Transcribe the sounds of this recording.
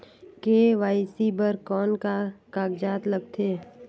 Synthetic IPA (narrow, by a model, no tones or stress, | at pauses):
keːʋaːɪsibəɾkɔːnkakaːɡd͡ʒaːt̪ləɡ̚t̪ʰeː